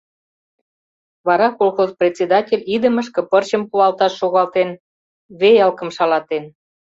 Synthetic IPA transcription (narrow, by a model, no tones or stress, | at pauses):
βɑɾɑkolxozprʲet̪ʲt͡sʲed̪ɑtʲelʲid̪ə̆mə̆ʃ̬kɤ̆pərt͡ɕə̆mkuɑlt̪ɑʃːoɣɑlt̪en | βejɑlkə̆mʃɑlɑt̪en